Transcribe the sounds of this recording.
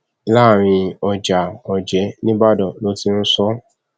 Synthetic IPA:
laː˦˨ɾ̃ĩ˧ɔ˨d͡ʒa˨ɔ˨d͡ʒɛ˨˦nĩ˦ba˦dɔ˨lo˦ti˦n̩˦sɔ˦

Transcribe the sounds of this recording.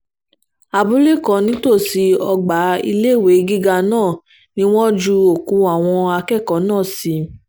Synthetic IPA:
a˨bu˨˦le˦˨kɔ̃˨˦nĩ˨˦to˦˨si˨˧˦ɔ˧ɡ͡ba˨˦ḭ˧le˦˨we˨˦ɡi˦ɡa˧nãː˦˨ | nĩ˦w̃ɔ̃˦d͡ʒu˧o˨kũ˨˧˦a˨w̃ɔ̃˧a˧kɛ˦˨kɔ˨˦nãː˦˨si˨˧˦

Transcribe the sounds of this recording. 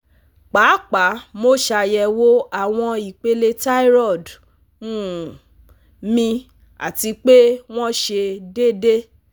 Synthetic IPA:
k͡pa˨˦k͡pa˨˦mo˦ʃa˧jɛ˧wo˦a˦˨w̃ɔ̃˧i˨k͡pe˧le˧ta˦i˦ɾɔ˦˨d | ũ˦˨ | mĩ˧ | a̰˨ti˧k͡pe˦w̃ɔ̃˦ʃe˧de˦˨de˦

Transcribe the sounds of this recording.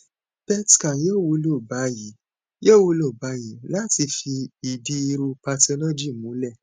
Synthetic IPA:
bɛ˦ti̥˨kã˨je˦˨wo˨˧˦lo˦˨ba˨˦ji˨˦ | je˦˨wo˧lo˦˨ba˨˦ji˨˦la˦ti˧fi˧i˨di˧˦i˧ɾu˧pa˧tɔ˧lɔ˦d͡ʒi˦˨mũ˨˦lɛ˦˨

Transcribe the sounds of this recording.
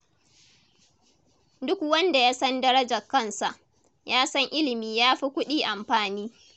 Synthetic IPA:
dʊ˦kwɐ˦nda˨jaː˦sɐ˦ndɐ˦ɾɐ˦d͡ʒɐ˨kːɐ˦nsa˨ʔ | jaː˦sɐ˦ŋʔɪ˦lɪ˨miː˦jaː˦ɸi˦kʷʊ˦ɗiː˦ʔa˨mɸaː˨niː˦

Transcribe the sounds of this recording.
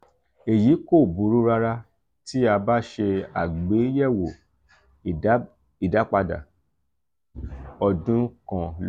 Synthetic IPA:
e˨ji˨˦ko˦˨bu˨˦ɾu˨˦ɾa˧ɾa˧ | ti˦a˧ba˦ʃe˧a˨ɡ͡be˨˦jɛ˦˨wo˨˦ | i˨da˨˦k͡pa˧da̰˨ | ɔ˨dũ˨˦kã˨l

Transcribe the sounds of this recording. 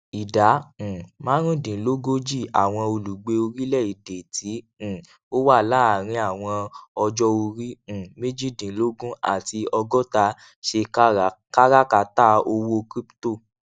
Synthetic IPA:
i˨dã˨˦˨mãː˦ɾ̃ũ˦dĩ˨˦lo˦ɡo˦d͡ʒi˦˨a̰˨w̃ɔ̃˧o˧lu˨ɡ͡be˧o˧ɾi˦lɛ˦˨i˨de˨tʰĩ˨˦˨ | o˦wa˦˨la˦˨ɾ̃ĩ˧a˨w̃ɔ̃˧ɔ˧d͡ʒɔ˦o˧ɾĩ˦˨me˦d͡ʒi˦˨dĩ˨˦lo˦ɡũ˦a̰˦˨ti˧ɔ˧ɡɔ˦ta˧˦ | ʃe˧kka˦ɾa˦ka˨˦ta˦˨o˧wo˦kɾi˦pto˦˨

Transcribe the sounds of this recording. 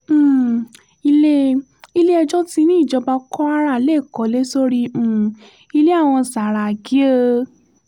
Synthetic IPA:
i˧le˦ | i˧le˦ɛ˧d͡ʒɔ˦ti˧nĩ˦i˦˨d͡ʒɔ˧ba˧kɔ˦a˦ɾa˧˨le˦˨kɔ˨˦le˦so˦ɾi˧˦˨ | i˧le˦a˦˨w̃ɔ̃˧sa˨ɾa˨ɡi˨˦e˦˧

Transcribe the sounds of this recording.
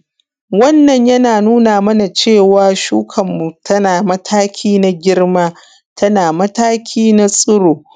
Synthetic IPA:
wɐ˦nːɐ˨ɲjɐ˦naː˨nuː˦naː˨mɐ˦na˨t͡ʃeː˦˨waː˨ʃuː˦kʰɐ˨mːu˨tʰɐ˦naː˨mɐ˦tʰaː˦kʲʰiː˦na˦ɡʲɪ˦rmaː˦ | tʰɐ˦naː˨mɐ˦taː˦kʲʰiː˦na˦sʼʊ˦ɽoː˨

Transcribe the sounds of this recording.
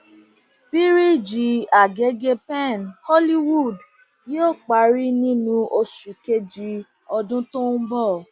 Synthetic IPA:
b̥i˦ɾi˦˨d͡ʒi˨˦a˨ɡe˨˦ɡe˧pɛ̃˦˨nhɔ˦li˦wu˦˨d | jo˦˨k͡pa˨˦ɾi˦nĩ˦nũ˧ʔo˧su˨ke˧d͡ʒi˧˦ | ɔ˧dũ˦to˦n̩˦bɔ˦˨

